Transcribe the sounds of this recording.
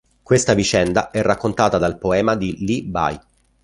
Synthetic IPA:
kwest̪avit͡ʃɛnd̪aɛrːakːont̪aːt̪ad̪alpoɛːmad̪iliba̰j

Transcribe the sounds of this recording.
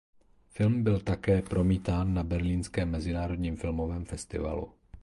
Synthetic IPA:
fɪlmbɪlt̪akɛːpɾo̞miːt̪aːnːabɛɾliːnskɛːmːɛzɪnaːɾo̞d̪ɲiːmfɪlmo̞vɛːmfɛst̪ɪ̰va̰lṵ

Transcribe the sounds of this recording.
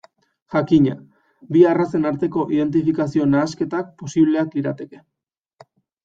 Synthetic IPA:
ʝakiɲa̰ | biarase̞naɾt̪e̞ko̞ʔið̞e̞nt̪ifikas̬io̞naːske̞t̪ak̚po̞siβle̞akiɾat̪e̞ke̞

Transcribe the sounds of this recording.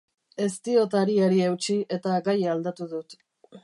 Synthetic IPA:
e̞st̪io̞t̪aɾiaɾiewt͡ʃiʔe̞t̪aɡajald̪at̪uðut̪

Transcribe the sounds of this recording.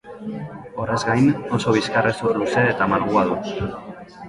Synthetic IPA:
o̞rezɡajno̞so̞β̞iskaresoɾuse̞ːt̪amalɣuaðu

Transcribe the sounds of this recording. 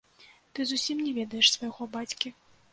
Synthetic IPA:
t̪ɨzusʲimnʲɛvʲɛd̪ɐjɛʂsvɐjɣɔbat͡sʲkʲi

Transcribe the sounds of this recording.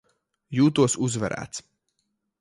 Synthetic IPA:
juːt̪uɔsuzvɛ̰ɾʔæ̰ːt̪s

